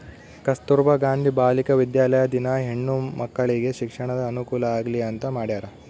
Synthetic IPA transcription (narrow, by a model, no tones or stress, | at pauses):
kɐst̪uɾʋɐɡaːnd̪ʱibaːlikɐʋid̪jaːlɐjɐd̪inɐɦeɳːumɐkːɐɭiɡe̞ʃikʂɐɳɐd̪ɐːnukuːlɐaːɡliɐnt̪ɐmaːɽijaːɾɐ